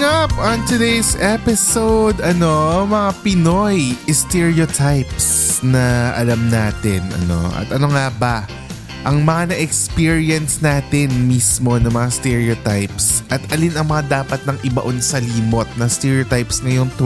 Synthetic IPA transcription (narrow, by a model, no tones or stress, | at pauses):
ɐpʔɐnt̪ʊd̪ejsɛpɪsowd̪ɐno̞mɐŋapɪno̞jʔɪst̪ɛɹiot̪ʰajpsnɐʔɐ̰lɐmnaːt̪ɪnɐ̰no̞̰ʔɐ̰t̪ʔɐno̞ŋabɐ | ʔɐŋmɐŋanɐʔɛkspiɹiɛnsnaːt̪ɪnmiːsmo̞nɐŋmɐŋast̪ɛɹɛot̪ajpsʔɐt̪ɐlinɐŋmɐŋad̪aːpɐt̪̚nɐŋʔɪbɐ̰ʔonsɐliːmo̞t̪̚nɐst̪ɛɹiot̪ajpsŋɐjoŋt̪